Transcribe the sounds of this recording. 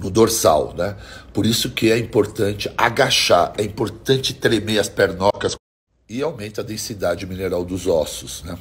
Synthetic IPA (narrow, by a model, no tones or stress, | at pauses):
nʊd̪oɾsa̰wnɛpoɾisʊkɪɛĩpoɾt̪ɐ̃nt͡ʃɪaɡaʃaɾɛĩpoɾt̪ɐ̃nt͡ʃɪt̪ɾemeɐspɛɾnɔkɐs | ɪawmẽnt̪ʊɐd̪ẽsid̪ad͡ʒɪmineɾawd̪ʊzɔsʊsnɛ